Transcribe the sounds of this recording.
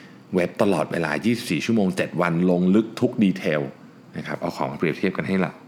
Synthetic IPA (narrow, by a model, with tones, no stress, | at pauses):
we˦˥p̚t̪a˧lɔː˨˩t̪̚weː˧la̰ː˧jiː˥˩si˨˩p̚siː˨˩t͡ɕʰu˥˩əmoː˧ŋt͡ɕe˨˩t̪̚wa˧nlo˧ŋlɯ˦˥k̚t̪ʰu˦˥k̚diː˧t̪ʰeː˧w | na˦˥kʰa˦˥p̚ʔa˧wkʰɔː˩˦ma˧pɾi˨˩əp̚t̪ʰi˥˩əp̚ka˧nɦa˥˩jla̰˨˩